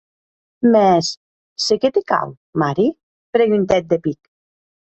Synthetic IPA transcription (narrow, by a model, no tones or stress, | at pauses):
mɛs | seket̪eka̰w | maɾi | pɾeʎunt̪ɛt̪̚d̪epik